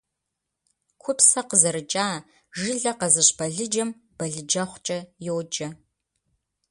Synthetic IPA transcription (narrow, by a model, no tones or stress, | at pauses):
kʷʰʊpsɐqəzɐɾɨt͡ʃʼaː | ʒɨɮɐqɐzɨɕbɐɮɨd͡ʒɐmb̥ɐɮɨd͡ʒɐχʷt͡ʃʼɐjoːd͡ʒʼɐ